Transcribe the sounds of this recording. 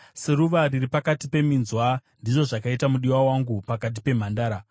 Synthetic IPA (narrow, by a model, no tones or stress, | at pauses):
seɾuʋariripakatipe̞minzwandiʐo̞ʐakaitamuɗiwawaŋɡupakat̬ipe̞m̤andaːɾa